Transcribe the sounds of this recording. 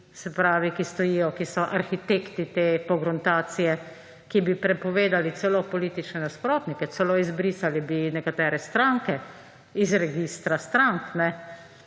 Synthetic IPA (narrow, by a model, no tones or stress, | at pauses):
sɛpɾaːʋikist̪ɔjijɔkisɔʔaɾxit̪ekt̪it̪eːpɔɡɾɔnt̪aːt̪sijɛ | kibipɾɛpɔʋeːd̪alit̪t͡s̪ɛloːpɔliːt̪it͡ʃnɛnaspɾoːt̪nikɛsɛloːizbɾisalibinɛkat̪ɛːɾɛst̪ɾaŋkɛ | izɾɛɡist̪ɾast̪ɾaŋknɛ